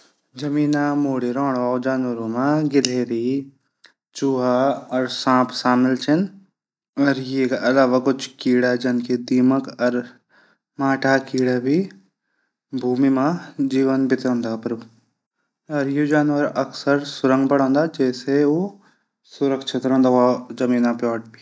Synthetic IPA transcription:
d͡ʒɐmiːnamoːɽeɾɔ̃ːɽaːd͡ʒaːnʋəɾõmãɡɪleːɾi | t͡ʃuːɦaɐɾsãːpʰsaːmɪlt͡ʃʰɪn | ɔːɾjekaʔɐlaːʋakʊd͡ʒʰʱkiːɽad͡ʒɐnkʰed̪iːməkɐɾ | mãːʈʰakiːɽabʱi | bʱuːmimãd͡ʒiːʋənbɪt̪ɾə̃nd̪aːpɐɾ | ɔɾjod͡ʒaːnʋəɾɐksəɾsʊɾə̃ŋɡbɐɽ̤̃õːnd̪aːd͡ʒɛːseo | sʊɾəkʃʰɪt̪ɾə̃ːnd̪aazɐmĩːnapjɔːʈ̚biː

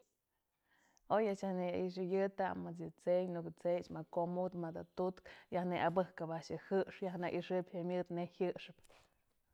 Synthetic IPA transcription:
ojaʔt͡ʃahneaʔiʂ̬ɨjɨt̪amat͡s̬jɨt͡sejnukɨt͡sejt͡ʃmakomut̪mad̪at̪ut̪kjahneʔabɨhkapaʔʃɨhɨʔʂjahnaʔiʂɨbʲhamʲɨd̪nehɨʔʂɨp

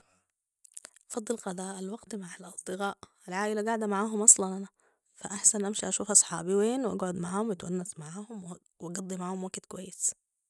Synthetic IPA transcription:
ʔɑfɑd̪ˤːɨlqɑd̪aːʔalwɑɡt̪maʕalʔɑlˤd̪ˤɨɣaːʔ | alʕaːʔɪlaɡaʕd̪æmaʕaːɦʊmʔɑsˤlɑnʔanæ | faʔaħsanʔæmʃiʔæʃuːfʔɑsˤħɑ̰ːbiweːnwʔaɡʕʊd̪maʕaːhʊmwɪt̪wanːæsmaʕaːhʊmw | wɑɡɑd̪ˤːimaʕaːhʊmwaɡt̪kwæjːɪs

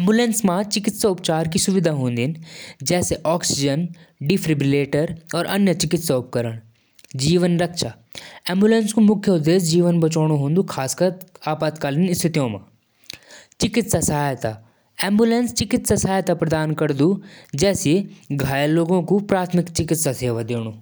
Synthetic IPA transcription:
ẽːmbulẽːnsmãt͡ʃɪkɪt̪saʊpt͡ʃaːɾkisʊʋɪd̪ʱaɦũːn̆d̪nɪd͡ʒɛːseʔɔːksɪd͡ʒənɖifɾɪbleːʈəɾɔːɾʔɐnjət͡ʃɪkɪt̪saʊp̚kɐɾəɽ̃ | d͡ʑiːʋənɾɐkʃaː | ẽːmbulẽːnskomʊkʰjəʊd̪eːs̬d͡ʑiːʋənbɐt͡ʃoːɽ̃oɦũːnd̪uxʰaːskəaːpaːt̪kaːlinɪst̪ʰɪt̪ijõmã̰ː | t͡ʃɪkɪt̪sasɐɦaːjt̪a | ẽːmbulẽːnst͡ʃɪkɪt̪sasɐɦaːjt̪apɾɐd̪aːnkɐɾd̪ud͡ʒɛːsieɡʱaːjloːɡõkupɾaːt̪ʰmɪkt͡ʃɪkɪt̪saseːʋad̪eːɽ̃oː

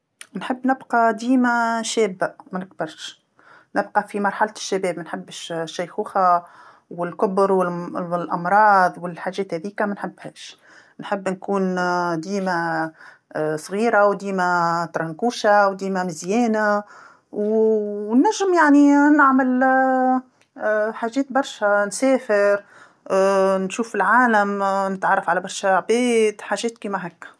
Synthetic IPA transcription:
nħɪbːnɪbqɑd̪iːmaʃɛːbːaʔmænɪk̚bɑɾˤʃ | nɪb̚qɑfimɑɾˤħalt̪ʃːabɛːbmænħɪbːʃːæjxuːxa | wɪlkʊbɾwɪllʔɑmɾˤɑːd̪ˤwɪlħaːʒɛːt̪hɛːðiːkamænħɪbːhɛːʃ | nħɪbːnkuːnd̪iːma | sˤɣiːɾawd̪iːmat̪ɾˤɑnkuːʃawd̪iːmamɪzjɛːna | w | nːæʒːɪmjaʕninɪʕmɪl | ħaːʒɛːt̪bɑɾˤʃænsɛːfɪɾ | nʃuːfːilʕaːlamnɪt̪ʕɑrˤːɑfʕalæbɑɾˤʃaʕbɛːd̪ħaːʒɛːt̪̚kiːmaɦækː

